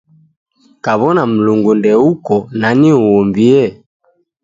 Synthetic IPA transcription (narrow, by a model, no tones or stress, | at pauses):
kaβɔnam̩luŋɡundɛukɔnaniuɔmbiɛ